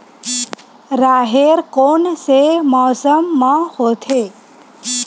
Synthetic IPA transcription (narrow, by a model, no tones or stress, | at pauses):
ɾaːɦeɾkonsemɔːsəmːãhot̪ʰe